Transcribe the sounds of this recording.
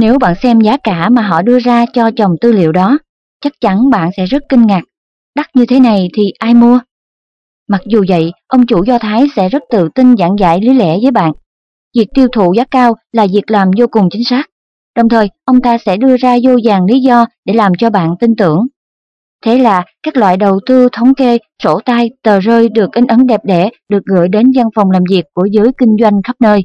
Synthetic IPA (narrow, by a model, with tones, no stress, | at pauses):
ne˨˦wɓa̰ː˧˨nsɛ˧mzaː˨˦kaː˧˩maː˨˩ɦɔ̰˧˨ɗɨ˧əzaː˧t͡ɕɔ˧t͡ɕə˨˩wŋ͡mt̪ɨ˧lḭ˧˨əwɗɔ˨˦ | t͡ɕa˦˥k̚t͡ɕa˨˦nɓa̰ː˧˨nsɛ̰˧˥zə˦˥t̚kï˧ŋ̟ŋa˨˩k̚ | ɗa˦˥t̚ɲɨ˧t̪ʰe˨˦na˨˩jt̪ʰi˨˩ʔaː˧jmu˧ə | ma˨˩k̚zu˨˩və̰˧˨jʔə˧wŋ͡mt͡ɕu˧˩zɔ˧t̪ʰaː˨˦jsɛ̰˧˥zə˦˥t̚t̪ɨ̰˧˨t̪i˧nza̰˧˩ŋza̰ː˧˩jli˨˦lɛ̰˧˩vəː˨˦jɓa̰ː˧˨n | vi˨˩ək̚t̪i˧əwt̪ʰṵ˧˨zaː˨˦kaː˧wlaː˨˩vi˨˩ək̚laː˨˩mzo˧kʊ˨˩ŋ͡mt͡ɕï˨˦ŋ̟saː˦˥k̚ | ɗə˨˩wŋ͡mt̪ʰəː˨˩jʔə˧wŋ͡mt̪aː˧sɛ̰˧˥ɗɨ˧əzaː˧zo˧zaː˨˩ŋli˨˦zɔ˧ɗe˧˩laː˨˩mt͡ɕɔ˧ɓa̰ː˧˨nt̪i˧nt̪ɨ̰˧˩əŋ | t̪ʰe˨˦laː˨˩kaː˦˥k̚lwa̰ː˧˨jɗə˨˩wt̪ɨ˧t̪ʰə˨˦wŋ͡mke˧ | so̰˧˩t̪aː˧jt̪əː˨˩zəː˧jɗɨ˨˩ək̚ʔi˨˦n̟ʔə˨˦nɗɛ˨˩p̚ɗɛ˧˩ɗɨ˨˩ək̚ɣə̰ː˧˨jɗe˨˦nza˧nfa˨˩wŋ͡mlaː˨˩mvi˨˩əkːu˧˩əzɨː˨˦jkï˧ŋ̟zwa˧jŋ̟xə˦˥p̚nəː˧j